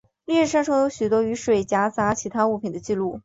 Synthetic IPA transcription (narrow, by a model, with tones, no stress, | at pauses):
li˥˧ɻ̩˥˧ʂa˥nʂɤ˥ŋjo˧˥ʊɕy˨˩t̪wɔ˥y˧˥ʂwe˨˩ɪt͡ɕja˧˥t͡sa˧˥t͡ɕʰi˧˥t̪ʰa˥u˥˩pʰi˨˩nd̪ə˦t͡ɕi˥˧lu˥˩